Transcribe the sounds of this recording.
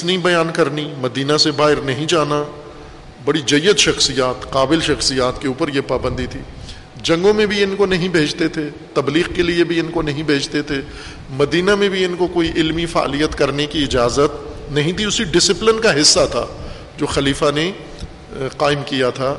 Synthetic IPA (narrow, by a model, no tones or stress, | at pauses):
ɪsnɐɦĩbɐjaːnkɐɾnimɐd̪iːnasebaːɪɾnɐɦĩd͡ʒaːna | bɐɽid͡ʒɐjːət̪ʃɐxsijaːt̪qaːbɪlʃɐxsijaːt̪keuːpəɾjepaːbə̃nd̪it̪ʰiː | d͡ʒɐ̃ŋɡõmẽbʱiɪnkonɐɦĩbʱeːd͡ʒt̪et̪ʰe | t̪ɐbliːɣkeliebʱiɪnkonɐɦĩbʱeːd͡ʒt̪et̪ʰe | mɐd̪iːnamẽbʱiɪnkokoːiʔɪlmifa̰ːlijət̪kɐɾnekiɪd͡ʒaːzət̪̚nɐɦĩt̪ʰiʊsiɖɪsɪplɪnkaɦɪsːat̪ʰa̰ː | d͡ʒoːxɐliːfane | qaːɪmkijat̪ʰaː